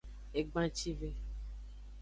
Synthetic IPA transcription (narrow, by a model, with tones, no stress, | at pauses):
e˨ɡ͡bã˦t͡ʃi˦ve˦